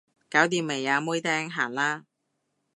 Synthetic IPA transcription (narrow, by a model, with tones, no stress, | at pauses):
kaː˨˥wt̪iː˨˧mːe˨˩jːaː˨˧muː˥jt̪ɛː˥ŋɦaː˨˩nlaː˥